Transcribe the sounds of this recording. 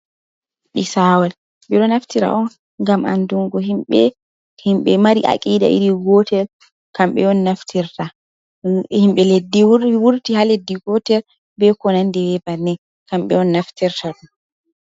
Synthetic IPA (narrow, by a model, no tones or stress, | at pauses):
ɗisaːwal | ɓɛɗɔnaftiɾa̰ʔɔn | ŋɡamʔa̰nduŋɡɔɦimɓɛ | himɓɛmaɾiʔa̰kʼiːda̰ʔḭɾiɡɔtʰɛl | kamɓɛɔnːaftʰiɾta | himɓɛledːiwuɾtihaledːiɡɔtɛɾ | bɛkɔnandɛwɛbanɛ | kamɓɛɔnːaftiɾtaɗum